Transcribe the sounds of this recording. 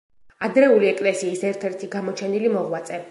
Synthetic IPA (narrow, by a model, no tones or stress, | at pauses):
ad̪ɾɛuliɛkʼlɛsiːsɛɾt̪ʰɛɾt̪ʰiɡamɔt͡ʃʰɛnilimɔʁwat̪sʼɛ